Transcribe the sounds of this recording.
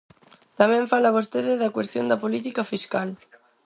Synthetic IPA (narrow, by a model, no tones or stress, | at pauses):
t̪amẽɱfalaβ̞ost̪eðeðakwest̪jõnd̪apolit̪ikafiskal